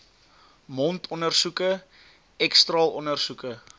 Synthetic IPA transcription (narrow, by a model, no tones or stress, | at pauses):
mɔntʰɔnərsukə | ɛkstrɑːlʔɔnərsukə